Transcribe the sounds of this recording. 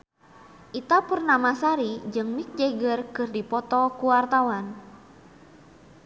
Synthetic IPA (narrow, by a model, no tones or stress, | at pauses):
ʔit̪apurnamasaɾid͡ʒɨŋmik̚d͡ʒɛɡərkɨrdipɔt̪ɔkuwart̪awan